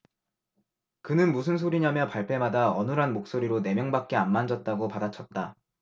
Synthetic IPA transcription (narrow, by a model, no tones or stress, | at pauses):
kɯnɯnmus̬ʰɯns̬ʰoɾiɲamjʌpaɭpʰe̞madaʌnɯɾɦanmok̚s͈oɾiɾone̞mjʌŋbak̚k͈e̞anmand͡ʑʌt̚t͈aɡopadat͡ɕʰʌt̚t͈a